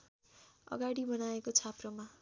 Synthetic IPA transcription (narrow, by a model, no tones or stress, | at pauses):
ʌ̰ɡaɽibʌnaekot͡sʰaproma